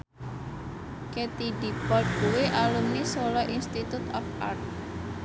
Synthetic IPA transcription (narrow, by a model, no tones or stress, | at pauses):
ket̪idi̤pɔd̪̚ɡ̥uweʔalumnisolɔʔinst̪it̪ut̪ɔfʔa̰rt̪̚